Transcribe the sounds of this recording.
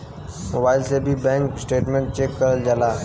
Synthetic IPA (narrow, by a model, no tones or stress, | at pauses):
mo̰ːbaːɪlsebʱibɛ̃ːŋksʈeːʈmẽɳʈ̚t͡ʃeːkːəɾəld͡ʒaːlaː